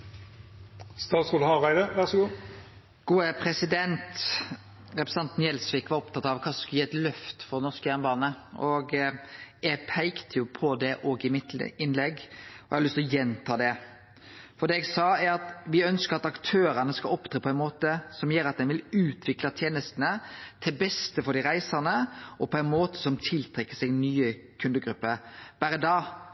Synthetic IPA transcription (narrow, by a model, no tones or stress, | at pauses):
st̪ɑːt̪skuːlhɑʁæɪd̪əʋæʁsɔɡuː | ɡ̥uːəpʰɾɛsɪd̪ɛnt̪ | ɾɛpɾɛsɑnt̪njɛlsʋɪːkʋɑɾɔpt̪ɑt̪ːɑʋkʰɑːsɔskʉjiːʁɛt̪lœft̪fɔʁɛnɔʁskəjæʁnmbɑːnəʔɔɡ | ɛɡpʰæɪkt̪ʰəjʊpʰɔd̪ɛʔɔɡɪmɪt̪ɪnlɛɡːɔɛ̰hɑlʏst̪ɔjɛnt̪ʰɑːd̪ɛ | fɔd̪ɛːɛɡsɑːæɾɑt̪ʋɪœnskəɾɑt̪ɑkt̪ʰøːɾənəskɑlɔpd̪ɾɑːpʰɔæɪnmoːt̪əsɔmjeːɾɑt̪̚d̪ɛnʋɪlʉːt̪ʰʋɪklɑt̪ʰjeːnəst̪nət̪ʰɪlbɛst̪əfɔɾɖ̪ɪʁæɪsəʁnəʔɔpʰɔæɪnmoːt̪ə̥sɔmt̪ʰɪlt̪ʰɾʁɛkːə̥sɛɡnyːə | kʰʉnd̪əɡɾʉpːəɾb̥æɾəd̪ɑː